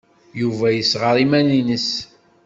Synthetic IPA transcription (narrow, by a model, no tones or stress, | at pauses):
juvæjəsʁəɾˤimæninəs